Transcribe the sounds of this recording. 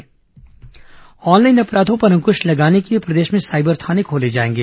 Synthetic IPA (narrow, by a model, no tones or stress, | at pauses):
ɔːnlaːɪnɐpɾaːd̪õpɐɾə̃ŋkʊʃlɐɡaːnekeiepɾɐd̪eːʃmẽsaːɪbəɾt̪ʰaːnekʰoːled͡ʒaːẽːŋɡeː